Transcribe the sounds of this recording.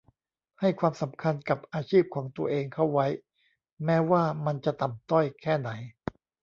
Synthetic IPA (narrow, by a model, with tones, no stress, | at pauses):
ha˥˩jkʰwaː˧msa˩˦mkʰa˧nka˨˩p̚ʔaː˧t͡ɕʰiː˥˩p̚kʰɔː˩˦ŋt̪u˧ɐʔeː˧ŋkʰa˥˩wːa˦˥j | mɛː˦˥waː˥˩ma˧nt͡ɕa˨˩ʔt̪a˨˩mt̪ɔ˥˩jkʰɛː˥˩na˩˦j